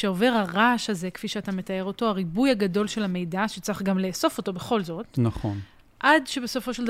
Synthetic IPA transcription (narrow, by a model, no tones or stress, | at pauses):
ʃeo̞ve̞ʁaʁaʃaze̞kfiʃeatame̞tae̞ʁo̞to̞aʁibujaɡado̞lʃelhame̞jdaʃet͡saχɡamleːso̞fo̞to̞be̞χo̞lzo̞tnaχon | ʔadʃebe̞so̞foʃe̞ld